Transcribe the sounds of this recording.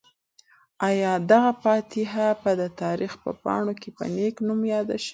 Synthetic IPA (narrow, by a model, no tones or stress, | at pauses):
ɑjɑd̪aɣapɑt̪ɪɦapəd̪ət̪ɑɾixpə̰pɑ̰ɳokepə̰neknumjɑd̪a̰ʃi̥